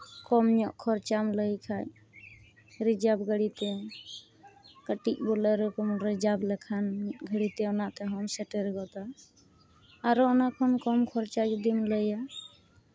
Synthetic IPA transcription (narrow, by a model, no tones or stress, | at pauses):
kɔmɲɔʔkʰɔɾt͡ʃamləjkʰaj | ɾid͡ʒabɡəɽit̪ɛ | kəʈik̚bɔləɾɔkɔmɾid͡ʒablɛkʰanɡʱəɽit̪ɛɔnaʔt̪ɛɦɔmsɛʈeɾɡɔt̪a | ɾɔɔnaʔkʰɔnkɔmkʰɔɾt͡ʃad͡ʒud̪imləja